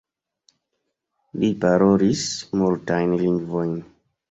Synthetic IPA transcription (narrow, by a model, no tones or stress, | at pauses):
lipaɾoɾismultajnliŋɡvo̞jn